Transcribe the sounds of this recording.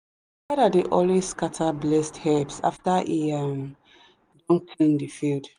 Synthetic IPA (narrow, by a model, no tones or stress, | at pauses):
waɾadeʔɔlweskatʰablɛsthɛpsa̰ftaʔiam | dɔ̃nkʰlĩndifild